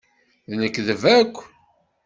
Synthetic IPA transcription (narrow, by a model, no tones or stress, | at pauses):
ðnəkːðəvækʷː